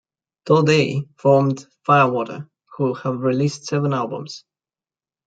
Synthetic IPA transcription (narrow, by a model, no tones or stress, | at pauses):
tʰədeɪfɔɹmd̥faɪəwɔɾə̰˞ | huhəvɹilistsɛvə̃nælˠbə̰̃mz̥